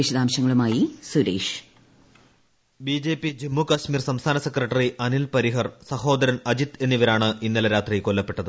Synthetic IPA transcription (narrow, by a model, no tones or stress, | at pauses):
eɕɐd̪aːmɕɐŋːɐɭumaːjisuɾḛːʂ | bid͡ʑe̞ːpːid͡ʑimːukɐɕmiːrsɐmst̪ʰaːnɐsekrɐʈːɐriʔɐnilpɐɾiɦɐrsɐho̞ːd̪ɐɾɐnɐd͡ʑit̪e̞nːiʋɐɾaːɳɨinːilɐɾaːt̪riko̞lːɐpːe̞ʈːɐðɨ